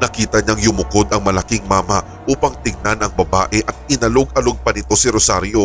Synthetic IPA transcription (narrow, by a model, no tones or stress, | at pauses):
nɐkiːt̪ɐɲaŋlʊmʊko̞d̪ɐŋmɐlɐkɪŋmaːmɐ | ʔuːpɐŋt̪ɪɡ̚nanɐŋbɐbaːʔɛʔɐt̪̚ɪnɐloɡ̚ʔɐloɡ̚pɐnɪt̪o̞sɪɾosaɾjo̞